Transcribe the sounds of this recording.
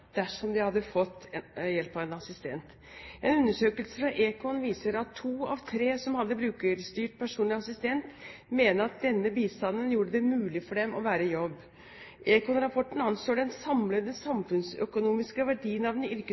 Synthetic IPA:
d̪̥æʂɔmd̪ɪhɑd̪ːəfɔt̪ːjɛlpɑʋɛnɑsɪst̪ʰɛ̰nt̪ | ʔɛnʉnːəʂøːkəlsəfɾɑʔeːkʰɔnʋiːsəɾɑt̪ʰːuːɑʋt̪ʰɾeːsɔmhɑd̪ːəbɾʉːkəɾst̪yːʈpʰæʂuːnlɪɑsɪst̪ɛnt̪meːnəɾɑt̪̚d̪ɛnːəbiːst̪ɑnːənjuːɖəd̪ɛmʉːlɪfɔɖɛmʔɔʋæːɾəjɔbː | ʔeːkɔnɾɑpʰɔʈːn̩ɑnsloːɖɛnsɑmləd̪ɛnsɑmfʉnsœ̰kʊnuːmɪskəʋæɖiːənɑʋnʏɾkə

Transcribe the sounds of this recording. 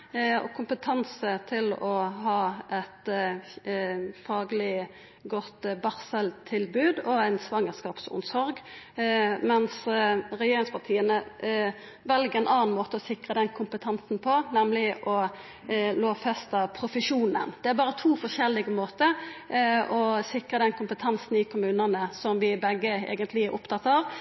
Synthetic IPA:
ɔ̰kʰʊmpət̪ʰɑnsət̪ʰɪlɔɦɑːʔɛt̪ | fɑːɡlɪ | ɡɔt̪bɑʁsɛlt̪ʰɪlbʉːd̪ɔæɪnsʋɑŋːəskɑːpsʊ̰nsɔɾɡ | mɛnsɾɛjeːɾɪŋspʰɑt̪ʰiːənə | ʋɛlɡəɾɛnʔɑːnn̩moːt̪əɔsɪkʁəd̪ɛnkʰʊmpət̪ʰɑnsnpʰɔnɛmlɪʔɔ | loːʋfɛst̪əpʰʁʊfəʂuːnə̰nd̪̥ɛæɾbɑːʁət̪ʰuːfɔʂɛlːɪɡəmoːt̪əɾ | ɔsɪkʁəd̪ɛnkʰʊmpət̪ʰɑnsn̩ɪkʰʊmʉːnənəsɔmʋɪbɛɡːəḛːɡənt̪lɪæɾʔʊ̰pt̪ʰɑt̪ːɑːʋ

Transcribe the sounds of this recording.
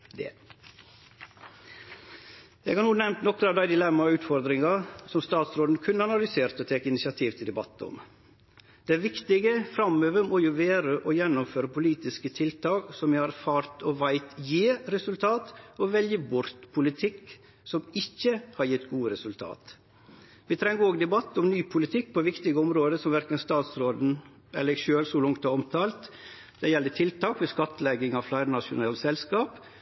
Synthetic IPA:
d̪ɛ̰ | jæɛɪɡhɑɾnuːnɛmt̪nɔkːɾɑːd̪æɪd̪ɪlɛmːɑʉːt̪fɔɾd̪ɾɪŋɑsɔmst̪ɑːt̪sɾoːd̪nkʰʉnːəɑnɑlʏseːɾt̪ɔt̪ʰeːkəɪnɪsɪɑt̪ʰiːʋt̪ʰɪd̪ɛbɑt̪ːəɔ̰m | d̪̥ɛæːɾʋɪkt̪ɪɡəfɾɑmøːʋəmɔjʊʋæːɾəʔɔjɛnːʊmføːɾəpʊliːt̪ɪskət̪ʰɪlt̪ʰɑːksɔmjæhɑɾæfɑːɾt̪ɔʋæɪt̪jiːɾɛsʉlt̪ʰɑːt̪ɔʋɛljəbʊɾt̪pʰʊlɪt̪ʰɪkː | sɔmɪçːəhɑɾjɪt̪ːɡuːəɾɛsʉlt̪ʰɑ̰ːt̪ | ʋɪt̪ʰɾɛŋːɡəoːɡd̪ɛbɑt̪ːɔmnyːpʰʊlɪt̪ʰɪk̚ːpʰɔʋɪkt̪ɪɡəɔmɾoːd̪əsɔmʋæɾkənst̪ɑːt̪sɾoːd̪n̩ | ʔɛlːəɾʃøːlsʊlʊŋt̪ɑɔmt̪ʰɑːlt̪ | d̪̥ɛjɛlːəʈʰɪlt̪ʰɑːkʋɪskɑt̪ːlɛɡɪŋɑflæɪɾnɑʂʊ̰nɑːlsɛlskɑːp

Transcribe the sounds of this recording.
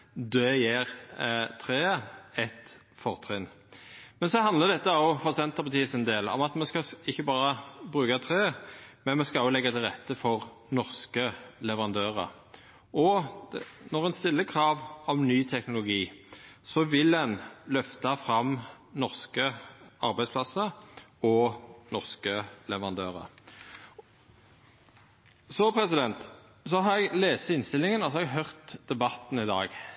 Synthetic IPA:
d̪øːjeːʁt̪ʰɾeːəɛt̪ | fɔʁt̪ʰʁɪn | mɛnsɔhɑnd̪ləd̪ɛt̪ːəɑʊfɔʁsɛnt̪əʁpɑt̪ʰiːsɪnd̪eːlɔ̰mɑt̪mɛnskɑɪçːəbɑːɾəbɾʉːkɑt̪ʰʁeːmɛnmɛnskɑʊlɛɡːɑt̪ʰɪlʁɛt̪ːəfɔʁ | nɔʁskəlɛʋəʁɑnd̪øːʁə̰ɾ | ɔ | nɔʁɛnst̪ɪlːəkʰʁɑːʋɔmnyːt̪ʰɛknʊlʊɡiːsɔʋɪlɛnlœft̪ɑfʁɑm | nɔʁskəɑʁbæɪd̪spʰlɑsəɔnɔʁskəlɛʋəʁɑnd̪øːʁə̰ | sɔpʰɾɛsɪd̪ɛnt̪ | sɔɦɑɾɛɡleːst̪ɪnst̪ɪlɪŋənɔsɔhɑɛɡɦœʁt̪d̪̥ɛbɑt̪ːn̩ɪd̪ɑ̰ːɡ

